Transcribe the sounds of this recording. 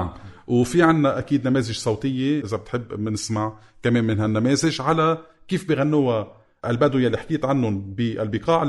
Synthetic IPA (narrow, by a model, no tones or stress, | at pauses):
mwfiʕanːaʔakiːd̪nameːzɪʒsˤɑwt̪ɪjːeʔɪzabɪt̪ħɪbːnɪsmaʕ | kameːmɪnɦanːameːzɪʒʕalakiːfbiɣanːuwa | ʔalbad̪ujalːiħḁkiːt̪ʕanːʊnbiʔa̰lbɪqɑːʕ